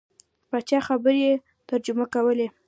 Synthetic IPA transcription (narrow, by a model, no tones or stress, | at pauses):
pat͡ʃɑxabəɾje | t̪əɾd͡ʒʊmakawəle